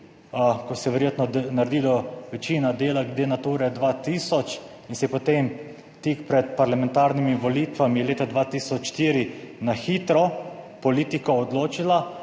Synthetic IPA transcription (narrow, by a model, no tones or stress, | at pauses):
kɔsɛʋɛɾjeːt̪nɔnaɾd̪iːlɔʋɛt͡ʃiːnad̪eːlaɡd̪eːnat̪uːɾɛd̪ʋat̪iːsɔt͡ʃ | insɛjɛpɔt̪em | t̪ikpɾɛt̪paɾlamɛ̃nt̪aːɾnimiʋɔlit̪ʋamileːt̪ad̪ʋat̪iːsɔt͡ʃʃt̪iːɾinaxit̪ɾɔpɔliːt̪ikɔːd̪loːt͡ʃila